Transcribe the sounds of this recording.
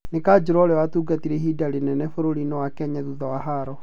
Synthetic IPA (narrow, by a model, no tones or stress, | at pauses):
nekaːd͡ʑoɾɔɾɛwatuːɡatiɾeɦidaɾenɛnɛfoɾoɾinɔwakɛɲɛðuðɔwaɦaːɾɔ